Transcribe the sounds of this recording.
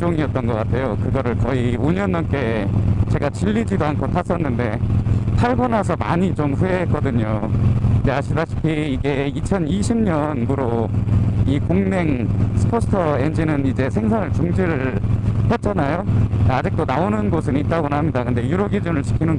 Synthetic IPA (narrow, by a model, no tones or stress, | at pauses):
t͡ɕoŋiʌt̚t͈ʌnɡʌk͈atʰe̞jokɯɡʌɾɯɭkʌioɲʌnːʌnk͈e̞t͡ɕe̞ɡat͡ɕiʎːid͡ʑidoankʰotʰas͈ʌnːɯnde̞pʰaɭbʌnasʰʌma̰ɲit͡ɕomɸueɦ̚ːk͈ʌdɯɲokɯndeaɕʰidaɕʰi̥pʰiːɡe̞it͡ɕʰʌniɕʰimɲʌnbuɾo | ikoŋne̞ŋsʰɯ̥pʰosʰɯ̥tʰʌend͡ʑinɯnid͡ʑe̞sʰe̞ŋsʰanɯɭt͡ɕuŋd͡ʑiɾɯɭhe̞t̚t͡ɕ͈anajoad͡ʑik̚t͈onaonɯnɡosʰɯnit̚t͈aɡonɦamɲidakɯnde̞juɾoɡid͡ʑɯnɯɭt͡ɕʰi̥kʰinɯn